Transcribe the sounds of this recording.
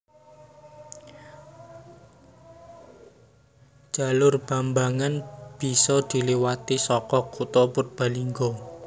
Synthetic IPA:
d͡ʒ̥a̤lʊrb̥a̤mbaŋanb̥i̤sɔd̪̥i̤liwat̪isɔkɔkut̪ɔpʊt̪̚b̥a̤liŋɡɔ

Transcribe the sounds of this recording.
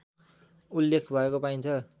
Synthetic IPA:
ulːekʰbʱʌekopaint͡sʰʌ

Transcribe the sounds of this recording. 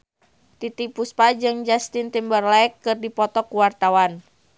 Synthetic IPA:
t̪it̪ipuspad͡ʒɨŋd͡ʒast̪int̪imbərlaɛkːɨrdipɔt̪ɔkuwart̪awan

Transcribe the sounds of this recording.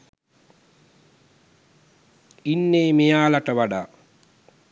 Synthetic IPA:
inːeːmejaːlaʈəʋaɖaː

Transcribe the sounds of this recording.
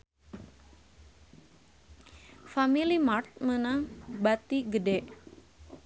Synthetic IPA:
familimart̪̚mənaŋbat̪iɡədɛʔ

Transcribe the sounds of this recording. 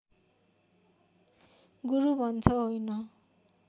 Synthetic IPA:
ɡuɾubʱʌnt͡sʰʌɦojnʌ

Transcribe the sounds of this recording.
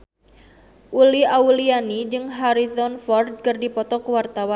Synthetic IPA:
ʔuliaulianid͡ʒɨŋɦaɾisɔnfɔrd̪̚kɨrdipɔt̪ɔkəwart̪awan

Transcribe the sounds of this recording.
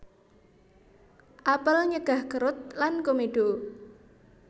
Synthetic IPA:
ʔapəlɲəɡ̥ahɡ̥əɾʊt̪̚lankomeɖ̥o

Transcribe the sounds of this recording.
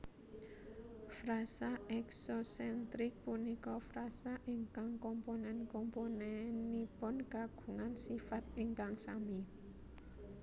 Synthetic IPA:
fɾasaʔɛksosɛnt̪ɾɪk̚punikɔfɾasaʔiŋkaŋkɔmponɛnkɔmponɛnipʊnkaɡ̥ṳŋansifat̪̚iŋkaŋsami

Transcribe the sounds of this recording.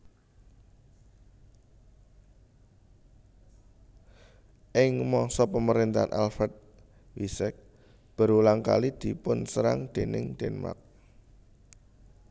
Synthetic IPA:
ʔɪŋmɔsɔpəməɾint̪aa̰nʔa̰lfɛt̪̚ | wisɛk̚ | b̥ə̤ɾulaŋka̰lid̪̥i̤pʊnsəɾa̰ŋd̪̥e̤nɪ̰ŋd̪̥ɛnma̰k̚

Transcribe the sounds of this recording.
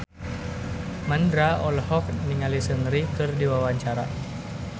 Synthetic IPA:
mandɾaɔlhɔk̚niŋalisəŋɾikɨrdiwawaɲt͡ʃaɾa

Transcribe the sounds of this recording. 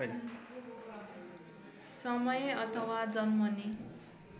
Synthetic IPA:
sʌmʌjeʌt̪ʰʌwad͡zʌnmʌni

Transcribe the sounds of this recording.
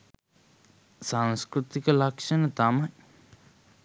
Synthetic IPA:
saŋskɾut̪ikəlakʂɐnɐt̪amaj

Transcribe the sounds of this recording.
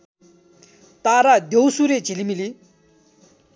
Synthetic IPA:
t̪aɾad̪ewsuɾet͡ɕilimili

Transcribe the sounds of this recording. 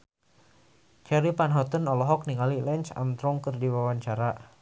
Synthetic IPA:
t͡ʃɛɾipanɦɔt̪ənɔlɔɦɔk̚niŋalilɛnt͡ʃa̰mt̪ɾɔŋkərdiwawaɲt͡ʃaɾa

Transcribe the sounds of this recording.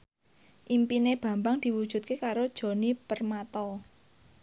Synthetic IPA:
ʔimpineb̥ä̤mbaŋd̪̥i̤wud̥ʒ̥ṳt̪̚kekaɾod̥ʒ̥o̤nipərmat̪ɔ

